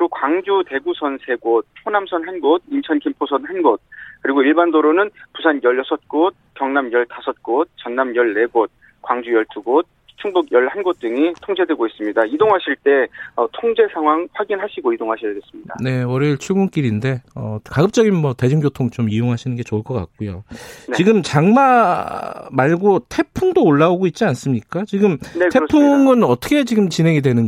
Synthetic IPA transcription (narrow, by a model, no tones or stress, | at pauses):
ɾokwaŋd͡ʑute̞ɡusʰʌnsʰe̞ɡot̚t͡ɕʰonamsʰʌnɦanɡod̚int͡ɕʰʌnkʰimpʰosʰʌnɦanɡod̚kɯɾiɡoiɭbandoɾonɯnpusʰanjʌɭjʌsʰʌt̚k͈ot̚kjʌŋnamjʌɭtasʰʌt̚k͈ot̚t͡ɕʌnːamjʌɭːe̞ɡot̚ | kwaŋd͡ʑujʌɭtʰuɡot̚ | t͡ɕʰuŋbuɡjʌɭhanɡot̚t͈ɯŋitʰoŋd͡ʑe̞dwe̞ɡois͈ɯmɲidaidoŋɦaɕʰiɭt͈e̞ʌtʰoŋd͡ʑe̞sʰaŋɦwaŋɸwaɡinɦaɕʰiɡoidoŋɦaɕʰijades͈ɯmɲida̰ne̞ʌɾeɭt͡ɕʰuɡunk͈iɾinde̞ʌkaɡɯp̚t͡ɕ͈ʌɡinmwʌte̞d͡ʑuŋɡjotʰoŋt͡ɕomijoŋɦaɕʰinɯnɡe̞t͡ɕoɭk͈ʌk͈a̰k̚k͈ojont͡ɕiɡɯmt͡ɕaŋma | maɭɡotʰe̞pʰumdoːɭːaoɡoit̚t͡ɕ͈ians͈ɯmɲik͈at͡ɕiɡɯmnktʰespʰuŋɯnʌt͈ʰʌkʰe̞t͡ɕiɡɯmt͡ɕinɦe̞ŋidwe̞nɯn